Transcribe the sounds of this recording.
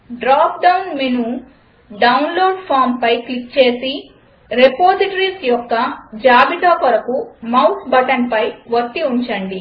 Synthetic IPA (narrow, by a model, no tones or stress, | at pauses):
ɖɾaːp̚ɖɐwnminu | ɖɐwnloːɖpʰaːɾmpɐjklikt͡ʃe̞ːsi | ɾepoːd͡ʒiʈɐɾiːsjɔkːɐd͡ʒaːbiʈaːkɔɾɐkumɐwt̪bɐʈɐnpɐjʋɐt̪ːiuɲt͡ʃɐɳɖi